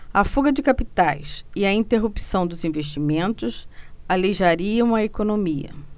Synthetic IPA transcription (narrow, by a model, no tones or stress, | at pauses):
ɐfuɡɐd͡ʒɪkapit̪ajsɪɐĩnt̪eɦupi̥sɐ̃w̃d̪ʊzĩveʃt͡ʃimẽnt̪ʊsaleʒaɾiɐ̃w̃ɐekonomiɐ̰